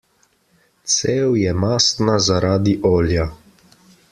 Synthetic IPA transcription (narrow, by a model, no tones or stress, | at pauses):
t̪seːwjɛmaːst̪nazaɾaːd̪iʔoːlja